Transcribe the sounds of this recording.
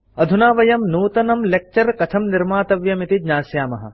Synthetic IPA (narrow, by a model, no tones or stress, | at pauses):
ɐd̪ʱunaːʋɐjɐmnuːt̪ɐnɐmlek̚t͡ʃɐɾkɐt̪ʰɐmniɾmaːt̪ɐʋjɐmit̪id͡ʒɲaːsjaːmɐɦɐ̰